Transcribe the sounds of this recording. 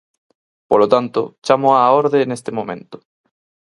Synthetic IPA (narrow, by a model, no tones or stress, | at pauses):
polot̪ant̪ʊ̰t͡ʃamoaoɾðenest̪ɪmõmḛ̃nt̪ʊ̥